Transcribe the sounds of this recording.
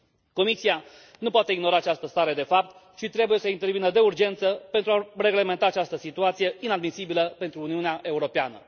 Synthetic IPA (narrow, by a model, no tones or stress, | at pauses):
ko̞misia | nupoat̪e̞iɡno̞ɾaːt͡ʃast̪əst̪aɾe̞d̪e̞fap̚t̪ | t͡ʃit̪ɾe̞buje̞səint̪e̞rvinəd̪e̞urd͡ʒe̞nt̪səpe̞nt̪ɾuare̞ɡle̞ment̪aːt͡ʃast̪əsit̪uat̪sije̞inad̪misibiləpe̞nt̪ɾuːniuneaʔe̞uɾo̞peanə̰